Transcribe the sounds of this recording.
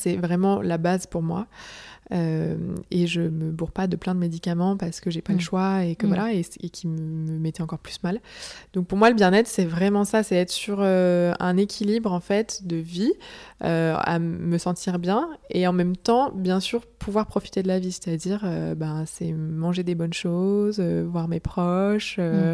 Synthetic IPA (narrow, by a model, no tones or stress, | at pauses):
sɛvʁɛmɑ̃labazpuʁmwa̰ | ømeʒəməbuʁpad̪əplɛ̃d̪əmed̪ikʲamɑ̃paʁsə̥kəʒepaləʃwaekəvwalaeekʲʰimməmet̪ɛɑ̃kɔʁply̥smald̪ɔ̃k̚puʁmwaləbjɛ̃nɛt̪χsɛvʁɛmɑ̃sasɛɛt̪χsyʁøɛ̰̃nekʲilibʁɑ̃fɛt̪d̪əviø̰a̰məsɑ̃t̪ʰiʁbjɛ̃eɑ̃mɛmt̪ɑ̃bjɛ̃syʁpʰuvwaʁpχɔfi̥t̪ed̪əlavise̥t̪ad̪iʁøbãsɛmɑ̃ʒed̪ebɔnʃozøvwaʁmepχɔʃø